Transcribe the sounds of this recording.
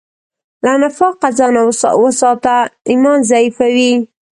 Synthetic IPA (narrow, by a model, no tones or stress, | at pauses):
lanafɑqazɑna̰wəsɑt̪aimɑnzaifawi